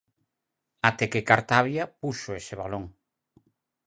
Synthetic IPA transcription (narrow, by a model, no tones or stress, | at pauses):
at̪ekekaɾt̪aβjapuʃoeseβaloŋ